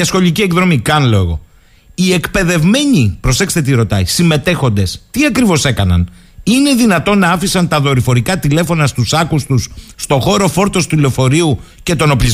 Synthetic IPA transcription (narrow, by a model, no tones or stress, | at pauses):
ɐsxo̞ʎicieɡðɾo̞mikɐnlo̞ɣo̞̰ | ie̞kpe̞ðe̞vme̞ɲipɾo̞se̞kst̪et̪̬iɾo̞t̪ɐisime̞t̪e̞xo̞nd̪e̞st̪iɐkɾivo̞se̞kɐnɐ̰n | ine̞ðinɐt̪o̞nɐɐfisɐnt̪ɐðo̞ɾifo̞ɾikɐt̪ile̞fo̞nɐst̪usɐkust̪usːt̪o̞xo̞ɾo̞fo̞ɾt̪o̞st̪ulo̞fo̞ɾiu | ce̞t̪o̞no̞pliz